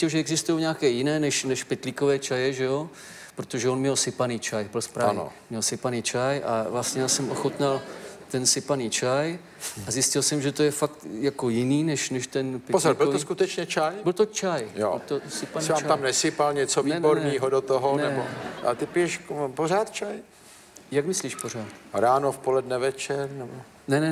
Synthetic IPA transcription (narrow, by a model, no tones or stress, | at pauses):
ɪlʒɛɛɡzɪst̪ujowɲaːkɛːjɪnɛːnɛʃnɛʃpɪt̪liko̞vɛːt͡ʃajɛʒɛjo̞ | pɾot̪oʒɛonmɲɛlsɪpaniːt͡ʃajbɪlspɾaano̰mɲɛlsɪpaniːt͡ʃajʔa̰vlast̪ɲɛjaːsɛmʔoxot̪nalt̪ɛnsɪpaniːt͡ʃaj | azjɪscɪlsɛmʒɛt̪ojɛfakt̪jako̞jɪniːnɛʃnɛʃt̪ɛnppozabɪlvt̪oskut̪ɛt͡ʃɲɛt͡ʃajbɪlt̪ot͡ʃajjo̰ɪlt̪osɪpaniɪaːmat̪amnɛsɪpalɲɛt͡sovɛboɾɲiːɦodot̪oɦonɛboa̰t̪ɪpɪjɛʃkpoɾaːt̪t͡ʃaj | jakmɪsliːʃpor̝aːt̪ɾaːnofpolɛdnɛvɛt͡ʃɛɾnɛbo | nɛnɛ